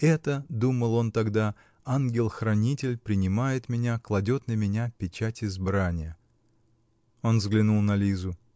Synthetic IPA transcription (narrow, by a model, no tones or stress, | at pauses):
ɛt̪əd̪uməlˠo̞nt̪ɐɡd̪a | anɡʲɪlˠxɾɐnʲitʲɪlʲpɾʲɪnʲɪmajɪt̪mʲɪnʲaklˠɐdʲo̞t̪nəmʲɪnʲapʲɪt͡ɕætʲɪzbɾanʲɪjə | o̞nzɡlʲɪnulˠnɐlʲizʊ